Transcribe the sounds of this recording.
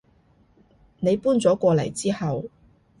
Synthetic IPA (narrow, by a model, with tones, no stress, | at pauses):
ne˨˧jpuː˥nt͡sɔː˨˥kʷɔː˧lɐ˨˩jt͡siː˥hɐ˨w